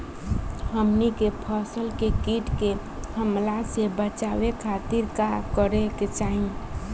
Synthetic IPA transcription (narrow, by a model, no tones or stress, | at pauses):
həmnikepʰəsəlkekiʈke | həmlasebət͡ʃawekʰat̪iɾkakəɾeket͡ʃaɦĩ